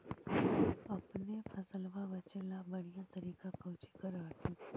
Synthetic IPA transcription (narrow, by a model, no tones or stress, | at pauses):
ɐpnepʰɐsəlʋaʋət͡ʃəlabɐɽ̃ijãt̪ɐɾiːkakɐːt͡ʃi̥kəɾaːkiː